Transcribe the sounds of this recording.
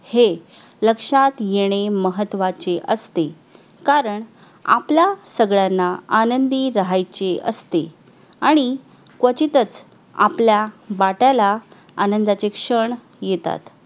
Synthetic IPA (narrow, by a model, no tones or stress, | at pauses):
he | ləkʂat̪jeɽ̃eməɦət̪ːʋat͡ɕeʔəst̪e | kaɾəɳ | a̰pljasəɡɭjanːaanənd̪iːɾəɦajt͡ɕeʔə̰st̪e | aɽ̃i | kʋət͡ɕit̪ət͡s | a̰pljaʋaʈjala | anənd̪at͡sekʂəɳ | jet̪a̰t̪